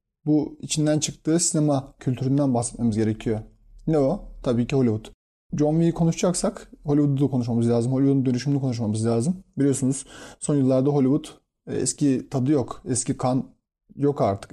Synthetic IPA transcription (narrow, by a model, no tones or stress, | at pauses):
buit͡ʃʰind̪ænt͡ʃʰɯkt̪ʰɯːsinemacʰylʲt̪ʰyɾynd̪ænbaxsɛ̥t̪mamɯzɟe̞ɾe̞cʰijo | nɛot̪ʰabiːciho̞lʲivut̪ | d͡ʒomvijikʰo̞nuʃd͡ʒaksakho̞lʲiβud̪ud̪akʰo̞nuʃ̬mamɯzlʲaːzɯmɦolʲiβud̪und̪ø̞nyʃymlʲikʰo̞nuʃmamɯzlʲaːzɯmbilʲijo̞sunuz̥so̞njɯlˠːaɾd̪aɦo̞lʲivut̪ | ɛ̰scit̪ʰad̪ɯjo̞kɛscikʰan | jo̞kaɾt̪ʰɯ̥k